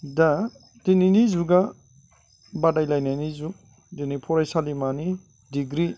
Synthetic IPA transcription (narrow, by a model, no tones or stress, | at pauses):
da | tininizuɡa | badajlajnanizu | denipʰɔɾajsalimani | diɡɾi